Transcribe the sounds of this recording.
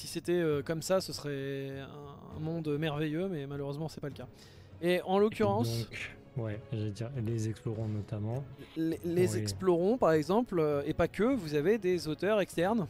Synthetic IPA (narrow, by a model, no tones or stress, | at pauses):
si̥set̪ɛøkɔmsasəsχɛɛ̃ɛ̰̃mɔ̃d̪ømɛʁvejømɛmaløʁøzmɑ̃sɛpaləka | eɑ̃lokʲyʁɑ̃sk | wɛʒed̪iʁlezɛksplɔʁɔ̃nɔt̪amɑ̃lelezɛksplɔʁɔ̃paʁɛɡzɑ̃pløepakʲəvuzaved̪ezot̪œʁɛkst̪ɛʁn